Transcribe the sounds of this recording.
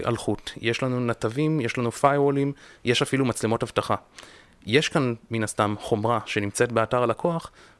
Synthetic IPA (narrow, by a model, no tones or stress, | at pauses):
ʔa̰lχutje̞ʃlanunatavimje̞ʃlanufajʁolimjʔe̞ʃafilumat͡slemo̞thavtaχa | je̞ʃkanminastamχo̞mʁaʃe̞nimt͡se̞tbeataʁalakʰo̞aχ